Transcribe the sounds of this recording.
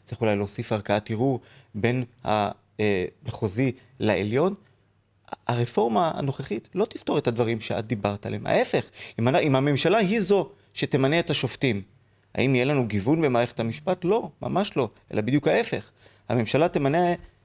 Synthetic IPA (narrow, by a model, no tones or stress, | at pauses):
t͡sʁiχulajleoːsifaʁkaatiʁuʁbe̞nha̰ | beχo̞zi | laeljo̞n | aʁefo̞ʁmaa̰no̞χeχitlo̞t̪ift̪o̞ʁe̞thadvaʁimʃea̰d̪̚ːibaʁt̪alema̰ʔe̞fe̞χimanaimame̞mʃalaɦizo̞ | ʃe̞te̞maneetaʃo̞ftim | a̰ʔimijelanuɡivunbemaːʁeχethamiʃpatlo̞ma̰maʃlo̞ʔe̞labid̪jukhae̞fe̞χ | ha̰me̞mʃalatemane